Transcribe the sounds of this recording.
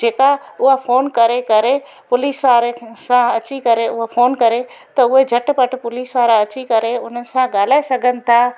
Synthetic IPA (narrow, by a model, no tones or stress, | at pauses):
d͡ʒeːkaʊɦapʰoːnkɐɾekɐɾe | pʊliːsʋaːɾesãɐt͡ɕikɐɾeʊɦapʰoːnkɐɾe | t̪ɐʊɦed͡ʑʱɐʈpəʈʰpʊliːsʋaːɾaɐt͡ɕikɐɾeʊn̤ənɪ̆sãɡaːl̤aːesɐɡʱənɪ̆t̪ʰaː